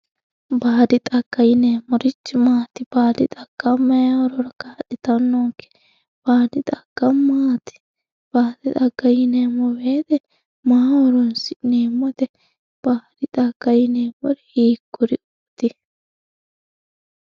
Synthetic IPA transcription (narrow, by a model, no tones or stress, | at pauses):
baːd̪ɪt̪ʼɐɡ̥ːɐjɪneːmɔɾɪt͡ʃːɪmaːt̪ɪbaːd̪ɪ̰t̪ʼɐɡ̥ːɐmːɐjawɔɾɔɾɐkaːɗɪt̪ɐnːɔŋkːɛ̥ | b̥aːd̪ɪt̪ʼɐɡ̥ːɐmːaːt̪ɪ̥ | b̥aːd̪ɪt̪ʼɐɡːɐjɪneːmɔweːd̪ɛ | maːwɔɾɔnsɪʔneːmːɔd̪ɛ | b̥aːd̪ɪt̪ʼɐɡ̥ɐjɪneːmɔɾɛhiːkːʊɾɪʊt̪ːɪ